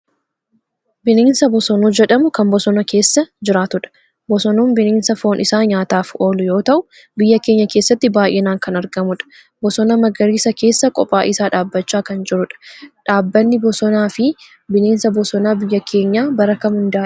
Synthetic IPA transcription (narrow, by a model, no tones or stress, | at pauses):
bɪneːnsɐbɔsɔnoːd͡ʒɛᶑɐmʊkɐmbɔsɔnɐke̞ːsːɐd͡ʒɪɾaːt̪ʊᶑɐ̥ | bɔsɔnuːnbɪneːnsɐfo̞ːnʔɪsaːɲaːt̪aːfo̞ːlʊjo̞ːt̪ɐʔʊ | bɪjːɐke̞ːɲːɐkeːsːɐt̪ːɪbaːjʔeːnaːŋkɐnɐɾɡɐmʊᶑɐ̥ | bɔsɔnɐmɐɡɐɾiːsɐke̞ːsːɐkʼɔpʼːaːʔɪsaːᶑaːbːɐt͡ʃːaːkɐnd͡ʒɪɾʊᶑɐ̥ᶑaːbːɐnːɪbɔsɔnaːfɪ | bɪneːnsɐbɔsɔnaːbɪjːɐkʰe̞ːɲːaːbɐɾɐkɐmʊnd̪aː